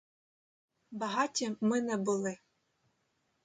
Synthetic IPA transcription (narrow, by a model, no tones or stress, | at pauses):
bɐɦɑtʲimɪnɛbʊlˠɪ